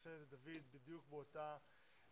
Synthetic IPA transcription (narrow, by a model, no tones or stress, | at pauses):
seet̪d̪avid̪bid̪jukbeot̪a